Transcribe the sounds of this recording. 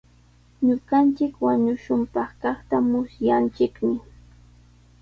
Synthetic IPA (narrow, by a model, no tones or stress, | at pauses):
ɲʊɢɑnt͡ʃɪkwaɲʊʃʊmpɑχkɑχt̪amʊsjant͡ʃɪkmɪ